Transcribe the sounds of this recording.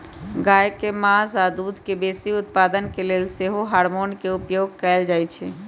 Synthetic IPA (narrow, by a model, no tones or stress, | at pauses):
ɡajkemãsad̪ud̪ʱkebesiut̪̚pad̪ənkelelseɦoɦaɾmonkeupjoɡkɛɪld͡ʒajt͡ʃʰɛ